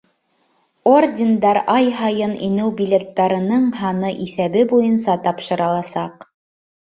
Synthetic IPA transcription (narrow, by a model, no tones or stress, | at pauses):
ordʲɪnd̪ɑɾɑjɦɑjɤnʔinɘwbʲilʲet̪ːɑɾɤ̆nɤɴɦɑnɤʔiθæβɘbujɤnsɑt̪ɑpʃɤ̆ɾɑlˠɑsɑq